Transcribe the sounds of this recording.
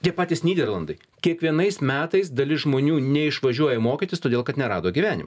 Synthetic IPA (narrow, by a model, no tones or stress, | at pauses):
t̪ʲiɛpɑːt̪ʲɪsnʲiːd̪ʲɛɾlˠɐnd̪ɐɪ | kʲiɛkʋʲiɛnɐɪsmʲæːt̪ɐɪs̬d̪ɐlʲɪsʒmoːnʲuːnʲɛɪʃʋɐʒʲuɔjɛmoːkʲit̪ʲɪst̪oːd̪ʲeːlˠkɐt̪nʲɛɾɑːd̪oːɡʲiːʋʲæːnʲɪ̰mɐ